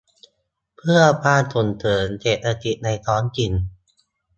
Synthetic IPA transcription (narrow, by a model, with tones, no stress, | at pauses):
pʰɯ˥˩ɐbaː˥˩nt̪ʰo˨˩nt̪ʰɤː˩˦nt͡ɕeː˨˩t̪̚ɾa˧t̪i˨˩na˧jt̪ʰɔː˦˥nki˨˧˩n